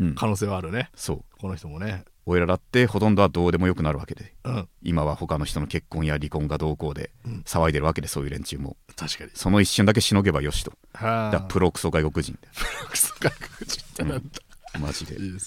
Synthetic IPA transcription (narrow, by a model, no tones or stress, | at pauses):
ɯ̟̃ɴkʰano̞ːs̬eːβaːɾɯ̟neso̞̰ːkonoçi̥t̪omone | oeɾaɾat̪ːe̞ho̞t̪õ̞nd̪o̞βad̪o̞ːd̪e̞mo̞jo̞kɯ̟naɾɯ̟βa̰ke̞d̪e̞ɯ̃imaβaho̞kano̞çi̥t̪o̞no̞ke̞kːõɰ̃jaɾʲikõ̞ŋɡad̪o̞ːko̞ːd̪e̞̰saβaid̪e̞ɾɯ̟βake̞d̪e̞so̞ːjɯ̟ɾẽ̞ɲt͡ɕɨːmo̞̰t̪ʰaɕkaɲiso̞no̞iɕːɨ̃nd̪ak̬e̞ɕino̞ɡe̞bajo̞ɕi̥t̪o̞̥ | had̪apɯ̟ɾo̞kɯ̥soːɡaiko̞kɯ̟ʑḭ̃nd̪epɯɾokɯ̥so̥ɡaiko̥kɯd͡ʑĩ̥t̪ɯ̃t̪ːamaʑid̪e̞̰